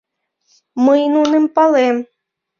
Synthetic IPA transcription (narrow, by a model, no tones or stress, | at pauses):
məjnunə̆mpɑlem